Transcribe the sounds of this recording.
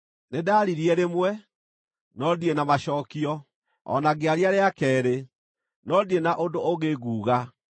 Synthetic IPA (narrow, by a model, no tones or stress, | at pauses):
nedaːɾiɾiɛɾemwɛ | nɔdienamaɕɔːkiɔ | ɔ̰naɣeaɾiaɾeakɛːɾe | nɔdienaʔondooɣeɣuːɣa